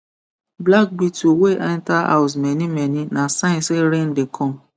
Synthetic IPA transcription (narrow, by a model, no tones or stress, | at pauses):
blak̚bitoweʔantaa̰ʊs̬mɛ̃nĩmɛ̃nĩnãsãnseɾen̩dekʰɔ̃m